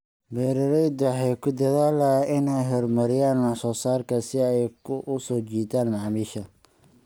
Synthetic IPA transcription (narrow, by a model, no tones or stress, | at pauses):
bɛːɾɐɾɛjd̪ħɛjkʰʊd̪ɐðaːlɐɪnɛjɦɔrmɐɾɪjaːnmɑħsɔːsaːrkʰɐsɪɛjkʰʊsɔːt͡ʃiːd̪aːnmɑʕmiːʃɐ